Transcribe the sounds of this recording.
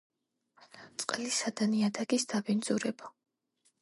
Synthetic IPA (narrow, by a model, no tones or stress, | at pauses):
t̪sʼqʼlisad̪aniad̪aɡisd̪abind̪zuɾɛba